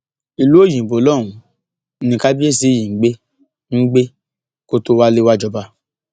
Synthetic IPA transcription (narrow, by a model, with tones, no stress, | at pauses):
i˨lu˨˦o˦˨jĩ˨bo˨˦lɔ˦˨w̃ũ˨˦ | nĩ˧ka˦bi˦e˦˨si˨˦˨jĩ˨ŋ̩˨˦ɡ͡be˦ | ŋ̩˦ɡ͡be˦ | ko˦to˦wa˦le˦wa˦d͡ʒɔ˧ba˧˦